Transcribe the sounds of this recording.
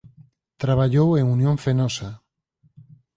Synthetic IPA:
t̪ɾaβ̞aʎoweŋunjõɱfenɔsa

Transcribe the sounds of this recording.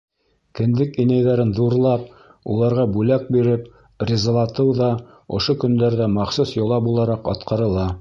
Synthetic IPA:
kɘ̆nd̪ɘkinæjðæɾɘnðuɾlˠɑp̚ | ṵlˠɑɾʁɑbʉlæk̚biɾɘp | rʲɪzɑlˠɑt̪ɤwðɑ | ŏʃokɵ̆nd̪æɾðæmɑχsusjŏlˠɑbulˠɑɾɑqɑ̰t̪qɑɾɤ̆lˠɑ

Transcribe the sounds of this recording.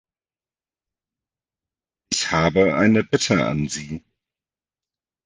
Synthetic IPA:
ʔɪçhaːbəʔaɪnəbɪtʰəʔa̰nziː

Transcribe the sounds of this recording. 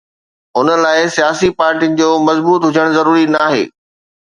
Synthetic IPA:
ʊnə̆laːɪsijaːsipaːɾʈiənɪ̆d͡ʑoːmɐzbuːt̪ɦʊd͡ʑʱəɽ̃zɐɾuːɾinaːɦḛː

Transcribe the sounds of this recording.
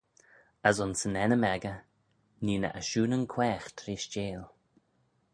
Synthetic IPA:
əzʊnsənɛnəmɛɡə | niːnə̰ʔəʃuːnənkʰwɛːxt̪ʰɾiːʃt͡ʃeːl

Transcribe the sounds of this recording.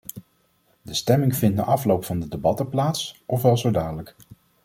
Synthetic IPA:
dəstɛmɪŋvɪnt̚da̰ʔɑflowpfɑndədebɑtəplaːtsʔɔfʋɛlˠzodaːdələk

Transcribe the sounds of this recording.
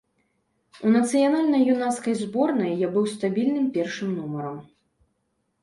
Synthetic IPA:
unɐt̪sɨjanalʲnɐjːunaskɐjzbɔrnɐjːabɨwst̪abʲilʲnɨmpʲɛrʂɨmnumɐɾɐm

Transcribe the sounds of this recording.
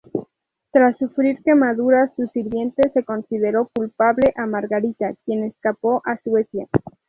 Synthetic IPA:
t̪ɾasːufɾiɾke̞maðuɾasusiɾβje̞nt̪e̞se̞ko̞nsiðe̞ɾo̞kulpaβle̞ʔamaɾɣaɾit̪akje̞ne̞skapo̞ʔaswe̞sja

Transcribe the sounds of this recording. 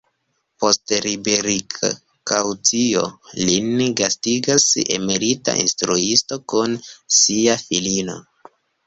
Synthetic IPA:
po̞stɾibeɾik | kawt͡sio̰linɡastiɡase̞̰me̞ɾita̰ʔḭnstɾuisto̞kunsiafilino̞̰

